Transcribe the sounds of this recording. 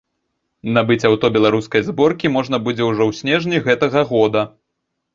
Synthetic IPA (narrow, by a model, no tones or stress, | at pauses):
nabɨt͡sʲawt̪ɔbʲɛlˠaɾuskɐjzbɔrkʲimɔʐnɐbud͡zʲɛwʐɔwsʲnʲɛʐnʲiɣɛt̪ɐɣɐɣɔd̪ɐ